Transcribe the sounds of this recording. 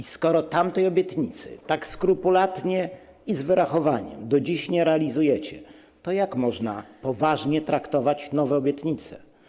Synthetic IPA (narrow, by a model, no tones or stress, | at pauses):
iskɔɾɔt̪amt̪ɛjɔbʲjɛt̪ɲit̪sɘ̰t̪akskɾupulat̪ɲɛ | izvɘɾaxɔvaɲɛ̰md̪ɔd͡ʑiɕɲɛɾɛalʲizujɛt͡ɕɛ | t̪ɔjakmɔʐna̰pɔvaʐɲɛt̪ɾakt̪ɔvat͡ɕnɔvɛɔbʲjɛt̪ɲit̪sɛ̥